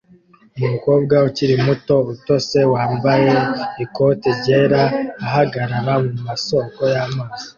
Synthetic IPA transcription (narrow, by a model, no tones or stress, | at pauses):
umumuko̞ːb̚ɡauciɾimuto̞βuto̞se̞waːmbaje̞iko̞teɾɟe̞ːɾaːhaɡaɾaɾamumaso̞ːko̞jamaːz̥i̥